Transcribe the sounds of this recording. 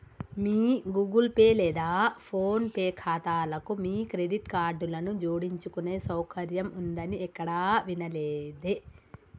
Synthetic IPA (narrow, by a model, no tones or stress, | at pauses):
miːɡuːɡulpeːlɛːd̪aːpʰoːnpeːkʰaːt̪aːlɐkumiːkɾe̞ɖiʈkaːɾɖulɐnud͡ʒoːɽiɲt͡ʃukune̞ːsɐwkʰɐɾjɐmund̪ɐniɛkːɐɽaːʋinɐleːd̪e